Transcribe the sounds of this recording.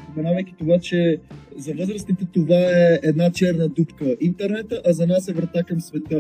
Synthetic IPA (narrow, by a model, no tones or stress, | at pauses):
pomɛnavɐjk̟i̥t̪ovat͡ʃɛzɐvɤzɾəsnit̪ɛt̪ovaɛɛd̪nat͡ʃɛɾnəd̪upkəint̪ɛɾnɛt̪əʔɐzɐnasɛvɾɐt̪akɐmsvɛt̪ə